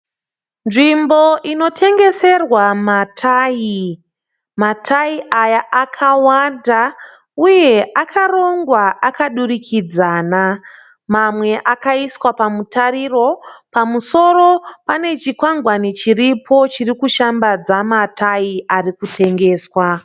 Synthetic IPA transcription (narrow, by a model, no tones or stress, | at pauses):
nʐimbo̞ʔino̞tʰe̞ŋɡe̞se̞rwamatʰai | matʰaiʔajaakʰawanda | uje̞ʔakʰaro̞ŋɡwaʔakaɗurikʰid͡zaːna | mamwe̞ʔakaiswapamutaɾiro̞pamuso̞ɾo̞pane̞t͡ʃikwaŋɡwanit͡ʃiripʰo̞t͡ʃirikuʃambad͡zamatʰaiʔarikutʰe̞ŋɡe̞ːswa